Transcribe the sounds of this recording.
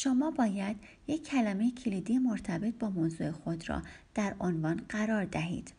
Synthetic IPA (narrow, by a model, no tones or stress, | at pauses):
ʃomɒːbɒːjæd̪jecʰːælæmejecʰilid̪ijemoɾt̪ʰæbe̞t̪̚ʰbɒːmoːzuːe̞xo̞d̪ɾɒ̰d̪̥æɾonvɒnɢæɾɒːɾd̪æɦḭːd̪̥